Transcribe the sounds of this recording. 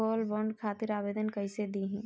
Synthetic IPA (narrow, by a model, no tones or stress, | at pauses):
ɔːlbɔɳɖkʰaːt̪ɪɾaːʋeːd̪ənkɐised̪iːɦɛ̃ː